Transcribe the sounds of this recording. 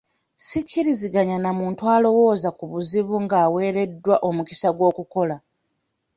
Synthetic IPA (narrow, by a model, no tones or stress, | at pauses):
sikʰːiɾiziɡaɲanamuːntwaːlo̞wo̞ːzakuβuziβuŋɡaːwe̞ːɾe̞dːwaʔo̞muki̥saɡwo̞ːkuko̞la